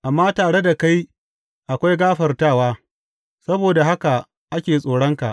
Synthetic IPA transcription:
ʔa˨mːaː˦taː˨ɽe˦da˨ka˦j | ʔa˨kʷa˦jɡaː˦ɸɐ˨rtaː˦˨waː˦ | sɐ˦boː˨da˨ɦa˦ka˨ | ʔa˦kʲeː˨sʼoː˨ɽɐ˦ŋka̰˨ʔ

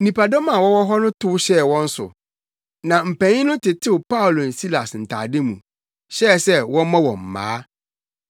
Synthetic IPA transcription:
nĩ˨pa˨dɔ˦mã˨wɔ˦wɔ˦ɦɔ˦nʊ̃˦tʰʊ˦ʊ˦ɕɛ˦˨wɔ̃˦n̩˦sʊ̰˨ | nã˨m̩˨pæ̃˨ɲĩ˦nʊ̃˦tʰɪ˨tʰɪ˦wʊ˨pa˦ʊ˨lo˨n̩˨si˦la˨sn̩˨tʰa̰ː˨dɪ˦mṵ̃˨ | ɕɛ˦˨sɛ˦wɔ̃˦mã˦wɔ̰̃˨m̩˨mːã̰ː˨˦

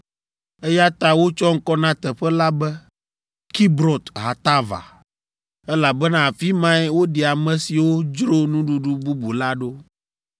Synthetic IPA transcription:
ɛ˦ja˦t̪a˦wo˦t͡ʃɔ˦ŋ̩˦kɔ˦nã˦t̪ɛ˨ɸɛ˦la˦bɛ˦ | ki˦bɾo˨t̪ɦa˨t̪a˦va̰˨ | ɛ˦la˨bɛ˦nã˦˨fi˦mã˦ɛ˦wo˦ɖi˨a˨mɛ̃˨si˨wo˦d͡ʒɾo˦nũ˦ɖu˦ɖu˦bu˦bu˨la˦ɖo˦

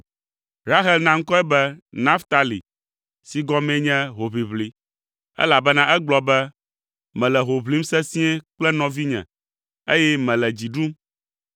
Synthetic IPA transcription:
ɾa˦ɦɛ˦lnã˦ŋ̩˦kɔ˦ɛ˦bɛ˦nã˦ft̪a˦lḭ˨ | si˨ɡɔ˦mɛ̃˦ɲɛ̃˦ɦo˨βi˨βli˨˦ | ɛ̰˦la˨bɛ˦nã˦ʔɛ˦ɡ͡blɔ˨bɛ˦ | mɛ̃˨lɛ˨ɦo˨βli˦m˦sɛ˦sĩ˦ɛ˦k͡plɛ˦nɔ̃˨vi˦ɲɛ̰̃˨ | e˦jɛ˦mɛ̃˨lɛ˨d͡ʑi˨ɖu˦m

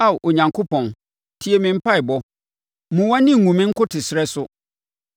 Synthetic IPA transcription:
a˦˨wʔo˨ɲã˨ŋkʰo˦pʰɔ̃˨n | tʰi˦e˨mɪ̃˨m̩˦pʰa˦ɪ˨bɔ˦ | mũ˨wã˦nɪ̃˦˨ŋũ˨mɪ̃˦ŋ̩˦kʰʊ˦tʰɪ˨sɪ˨ɾɛ˦sʊ˦

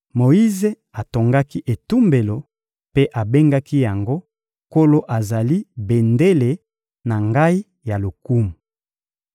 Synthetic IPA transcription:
mo˨i˦ze˦ | a˨to˨ŋɡa˦ki˦ʔe˨tu˦mbe˨lo˨ | pe˦ʔa˨be˦ŋɡa˦ki˦ja˨ŋɡo˦ | ko˦lo˦ʔa˨za˨li˦be˨nde˦le˨ | na˨ŋɡa˦i˦ | ja˨lo˨ku˦mu˨

